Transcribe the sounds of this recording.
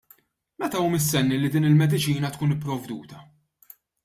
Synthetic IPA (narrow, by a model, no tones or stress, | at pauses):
mɛt̪ɐuːmɪs̬t̪ɛnːilid̪iːnɪlmɛd̪ɪt͡ʃiːnɐt̪kuːnɪpːɾɔvd̪uːt̪ɐ